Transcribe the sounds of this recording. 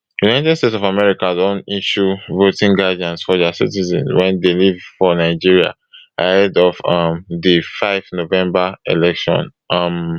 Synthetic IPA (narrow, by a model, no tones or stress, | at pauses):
junaɪtɛd̥stetsɔvamɛɹikadɔ̃niʃuvotĩŋɡadiãntsfɔd͡ʒasḭtizɛ̰̃nwɛ̃ndelivfɔnaɪd͡ʒiɹia̰ | ahɛdɔvamdifaɪfnovɛ̃mbaelɛkʃɔ̰̃nʔam